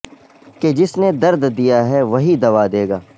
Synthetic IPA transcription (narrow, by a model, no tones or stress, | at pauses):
ked͡ʒɪsned̪ɐɾd̪d̪ijaɦɛʋɐɦid̪ɐʋad̪eːɡaː